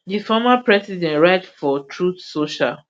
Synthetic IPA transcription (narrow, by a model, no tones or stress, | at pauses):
difɔmapɹɛsidɛ̃nɹaɪtfɔtʰɹutsoʃa̰l